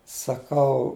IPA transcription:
sɐˈkɐʊ

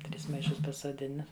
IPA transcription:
ˈtʲrʲɪs mɐɪˈʃʊs pɐsuɔˈdʲɪnɐ

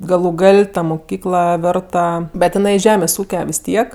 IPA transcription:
ɡɐlˠʊ ˈɡɐlʲ tɐ mʊˈkʲiːklˠɐ ˈʋʲeːrtɐ bʲɛt ɪˈnɐɪ ˈʒʲæːmʲeːsʲ ˈuːkʲɛ ʋʲɪs ˈtʲiɛk

